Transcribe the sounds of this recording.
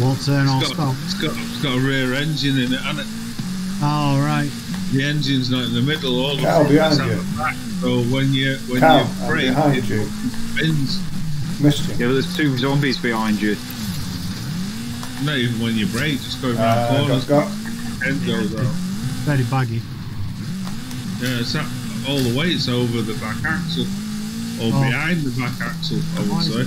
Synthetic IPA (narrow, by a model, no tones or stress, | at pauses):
wɒtʰəːnɔɡ̥skɔlˠɪsɡ̥ɔʔɪsɡ̥ɒʔəɹɛːɹɛ̃nd͡ʒɨ̃nɪ̃nɪʔə̃nɪt | oɹaɪt̚ | ðiɛ̃nd͡ʒɨ̃nznaɪtɪ̃nðəmɪdˡl̩ˠɔlˠabɪãɪ̃naəbaksoʊwə̃njəwə̃nəɹeɪɪɦãɪ̃nd͡ʒɨ̃ | fɪ̃nz̥mɪst͡ʃɪ̃ŋjɛðəz̥tʰʉːzʌ̃mbizbɪhãɪ̃nd͡ʒɨ | noiːvə̃nwə̃njəbɹeɪk̚d̥d͡ʒ̥ʌsɡ̥oʊvɔːnəzɡ | tʰɛ̃nzoʊvðəvɛɹibaɡi | jæɪtsəʔ | ɔːlˠðəweɪɪtsoʊvəðəbakaksəl̩ˠ | əbɪhãɪ̃nðəbakaksəl̩ˠaɪwəd̥seɪ